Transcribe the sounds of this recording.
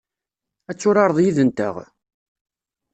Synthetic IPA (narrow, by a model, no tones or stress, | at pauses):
æt͡sːʊɾɑɾˤðˤjiðənt̪ə̰ʁ